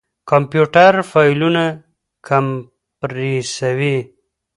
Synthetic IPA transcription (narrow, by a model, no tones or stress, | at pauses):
kampjuʈaɾfajluna | kʰam | pɾisawi